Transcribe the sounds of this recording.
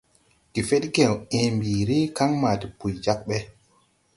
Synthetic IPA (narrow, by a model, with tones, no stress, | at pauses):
ki˨fe˦tɡẽ˨wẽ˨mbiː˨ɾi˦ka˦ŋma˨ti˨pu˨jd͡ʒa˦k̚ɓɛ˦